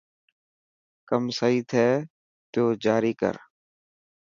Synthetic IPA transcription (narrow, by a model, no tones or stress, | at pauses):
kəmsaːiːt̪ʰɛː | t̪oːd͡ʒaːɾiːkə̰ɾ